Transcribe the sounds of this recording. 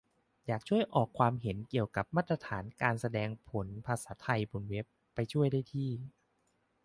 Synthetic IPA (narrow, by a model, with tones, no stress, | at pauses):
jaː˨˩k̚t͡ɕʰu˥˩əjʔɔː˨˩kʰːwaː˧mɦe˩˦nki˨˩əwka˨˩p̚maː˥˩t̪ːɾa˧t̪ʰaː˩˦nkaː˧nsa˧dɛː˧ŋpʰo˩˦npʰaː˧saː˩˦t̪ʰa˧jpʰo˨˩˦nwe˦˥pːa˧jt͡ɕʰu˥˩əjdaː˥˩jt̪ʰiː˥˩